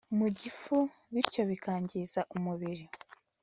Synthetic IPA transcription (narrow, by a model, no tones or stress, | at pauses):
muɟifu | βiɾco̞βikaːɲɟizaʔumuβiɾi